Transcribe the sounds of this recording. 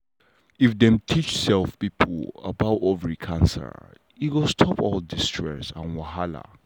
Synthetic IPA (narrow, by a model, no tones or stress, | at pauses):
ifdɛ̃mtʰit͡ʃsɛlfpipʰl̩ə̰baʊtovɹikʰãnsə̰˞ | iwɪlstʰɔpʰɔldistʰɹɛ̰sã̰nwaɦala̰